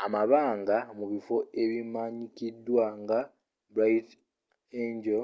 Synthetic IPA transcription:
amaβaːŋɡamuβifo̞eβimaɲikidːwaŋɡa | bɾat̪ | eːɲɟo

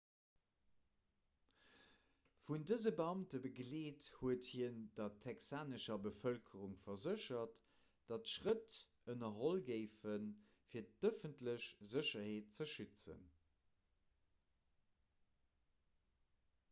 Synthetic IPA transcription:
fundəzəbəɑmtəbəɡleːthuəthiənd̥ɐtʰɛksaːnəʃɐbəfœlkʰəʁuŋfɐzəʃɐt | d̥ɑtʃʁət | ənɐɦolɡəɪfən | fiːɐtd̥əfəntləɕzəɕɐheːt̚t͡səʃyt͡sə̰n

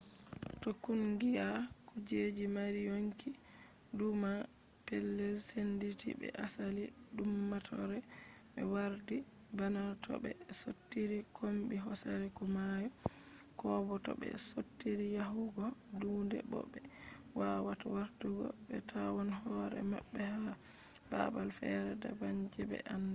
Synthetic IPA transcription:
tokːundija | kud͡ʒed͡ʒimaɾijoŋki | dumapɛlːɛlsenditḭbɛ̰ʔasaliɗumːatʰɔɾɛɓɛwaɾdibanaɾtʰɔ̰bɛsotːiɾikʰombiɦɔsaɾɛkumajɛkɔːbɔtɔ̰bɛ̰sotːiɾijaɦuɡɔ | duːndɛ̰bɔ̰bːɛ | wawatawaɾduɡɔ̰ | bɛtʰawɔnhɔːɾɛmaɓːɛhama | b̥a̰balfɛɾɛda̰baɲd͡ʒɛbɛ̰ʔam

